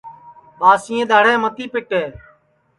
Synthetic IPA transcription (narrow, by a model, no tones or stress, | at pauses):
ɓaːsĩːẽːd̪aːɽẽːmət̪iːpɪʈɦeː